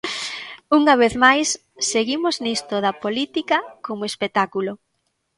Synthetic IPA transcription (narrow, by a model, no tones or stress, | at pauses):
uŋɐβ̞eθmajsː | eɣimoznist̪oðɐpolit̪ikɐkomoespet̪akulo